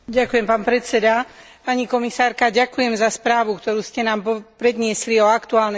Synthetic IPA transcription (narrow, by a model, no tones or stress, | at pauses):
ɟakujɛmpaːnpɾɛt͡sɛd̪a | paɲikɔmisaːɾkaɟakujɛmzaspɾaːʋukt̪ɔɾuːscɛnaːmpɔpɾɛd̪ɲɪɛsliɔakt̪uaːlnɛ